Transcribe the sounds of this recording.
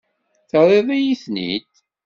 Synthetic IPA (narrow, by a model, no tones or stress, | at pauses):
θəɾˤeðˤijiθnḭt̪